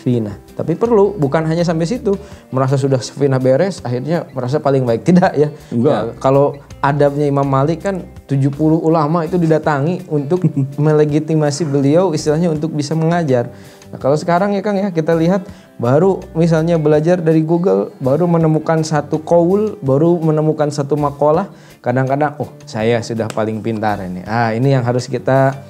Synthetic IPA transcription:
finaht̪apipərlubukanɦaɲas̬ampas̬it̪uməɾas̬as̬udahsə̥finahbeɾɛsaɦirɲaməɾas̬apalɪŋbaɪk̚t̪idaʔjaakaloadap̚ɲaimamːalɪkan | t̪ud͡ʒupulʊhulamait̪udidat̪aŋiunt̪ʊk̚mələɡit̪imasibəliawist̪ilahɲaunt̪ʊk̚bisaməŋad͡ʒar | na̰kalosə̥kaɾaŋjakaŋjakit̪aliɦat̪̚ | baɾumis̬alɲabəlad͡ʒardaɾiɡuɡəlbaɾumənəmukansat̪ukoʊlbaɾumənəmukansat̪umakolah | kadaŋkadaŋɔhsajasudahpalɪŋpint̪a̰rḭnḭainijaŋɦaɾʊskit̪a

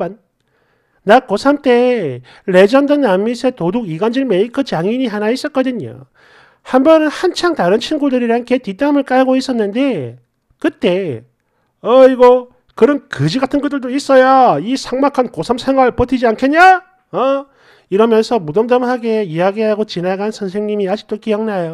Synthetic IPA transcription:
an | nak͈osʰamt͈e̞ | ɾe̞d͡ʑʌndɯnːamːisʰe̞toduɡiɡand͡ʑinmeikʰɯt͡ɕaŋiɲiɦanais͈ʌt̚k͈ʌdɯɲo̰ | hambʌnɯnhant͡ɕʰaŋtaɾɯnt͡ɕʰinɡudɯɾiɾaankʰetit͈amɯɭk͈ajɡois͈ʌnːɯnde̞ | kɯt͈e̞ | ʌiɡʌ | kɯɾʌnkɯd͡ʑiɡatʰɯnɡɯt͈ɯɭdois͈ʌjaisʰaŋmakʰankosʰʌmsʰeŋɦwaɭpʌtʰid͡ʑiankʰeɲa | ʌ | iɾʌmjʌnsʰʌmudʌmdʌmhaɡe̞iaɡiɦaɡot͡ɕinaɡanɯnsʰʌnsʰe̞ŋɲimiad͡ʑik̚t͈ok͈ijʌŋnajo

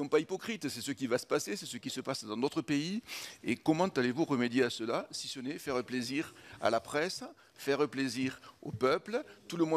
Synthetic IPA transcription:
ɔ̃paipɔkχit̪sɛsəkʲivasə̥pasesɛsəkʲisəpasd̪ɑ̃d̪ot̪χəpeiekɔmɑ̃t̪alevuʁəmed̪jeasəlasisənɛfɛʁəpleziʁa̰lapχɛs | fɛʁəpleziʁo̰pœplət̪uləmwɛ

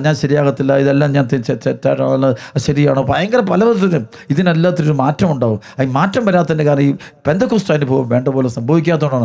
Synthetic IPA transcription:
ɲaːnɕɐɾijaːɣɐt̪ːilːɐiðelːaːmɲaːnt̪ɐt͡ɕet͡ɕetːaːʈːa̰ːɳɐlːɐɕɐɾija̰ːɳoɐpːoɐjɐŋɡɐɾɐpɐlɐʋɐt̪ːɐnɨ | iðinɐlːaːt̪ːiɾoɾumaːtrɐmuɳɖaːʋumɐimaːtrɐmʋɐɾaːt̪ːɐðindekaːɾnɐiːpend̪ɐkːusʈaːnːɨpoːʋumʋe̞ːɳɖɐpoːlesɐmbʱɐːʋikʲːaːt̪̬ːoɳɖaːɳ

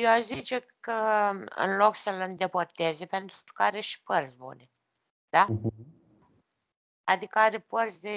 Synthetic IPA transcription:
joazit͡ʃe | kəɨ̰nlo̞ksəlɨnd̪e̞port̪ezepe̞nt̪kəaɾeʃi̥pərt̪sʲbṵne | d̪̥a | ad̪ikəaɾe̞pərt̪sʲd̪e

